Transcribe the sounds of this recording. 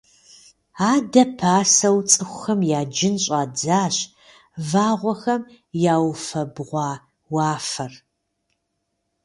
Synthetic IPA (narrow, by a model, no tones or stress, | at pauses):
aːdɐpʰaːsɐwt͡sʼɨxʷʊxɐmjaːd͡ʒɪnɕʼaːd͡zaːɕ | vaːʁʷɔxɐm | jaːwfɐbʁʷɑː | wɑːfɐr